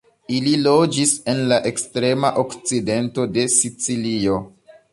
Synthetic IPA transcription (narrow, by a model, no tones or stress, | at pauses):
ililo̞d͡ʒise̞nlaʔe̞kstɾe̞maʔokt͡side̞nto̞de̞sit͡silio